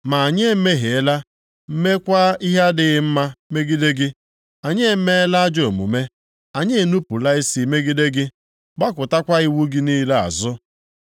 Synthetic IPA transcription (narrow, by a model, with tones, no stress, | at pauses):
ma˨a˨ɲe˦me˦ɦe˨e˦la˦ | m̩˦me˦kʷa˦i˦ɦa˦dɪ˨ɪ˦m̩˦ma˦me˦ɡi˦de˦ɡɪ˦ | a˨ɲe˦me˦e˦la˦a˦d͡ʒo˨mṵ˨me˦ | a˨ɲe˦e˦˨nu˦pu˨la˦ɪ˦si˨me˦ɡi˦de˦ɡɪ˦ | ba˦kʷʊ˨ta˦kʷa˦i˦wu˦ɡɪ˦ni˦le˦a̰˨zʊ˦